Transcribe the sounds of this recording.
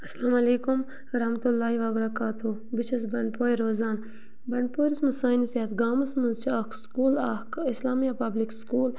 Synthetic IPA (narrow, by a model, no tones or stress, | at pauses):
ɐslaːmɐleːkum | ɾɐhmɐt̪ulːaːɦiʋaːbɐɾɐkaːt̪ʰu | bit͡ʃʰɐs̬bɐɳɖpoːjɾoːzaːn | bɐɳɖ̚poːjɾismɐsaːinisɐt̪ɡaːmɐsmɐzt͡ʃʰakskuːlakislaːmijapɐblikskuːl